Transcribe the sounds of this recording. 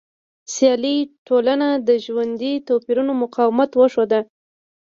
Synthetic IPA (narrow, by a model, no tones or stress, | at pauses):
sjɑliʈolanad̪əʒwand̪it̪opiɾunomʊqɑwɪmat̪wəʂod̪a